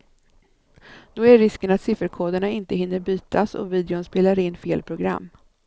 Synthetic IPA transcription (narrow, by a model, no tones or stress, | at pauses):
d̪̥ɔæɾːɪskənat̪sɪfəɾkʰoːd̪əɳaɪnt̪əhɪnːəɾbyːt̪ʰasɔ̰viːd̪ɛʊnspeːlaɾɪnːfeːlpʰɾʊɡɾa̰mː